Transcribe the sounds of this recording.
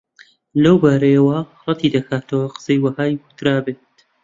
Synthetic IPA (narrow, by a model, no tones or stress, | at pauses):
lɐwbaːɾɐjɐwɐrˤɑt̪ʰiːd̪ɐkʰaːt̪ʰɐwɐqə̥sɐjwɐhaːjkʊ̥t̪ʰɾaːbeːt̪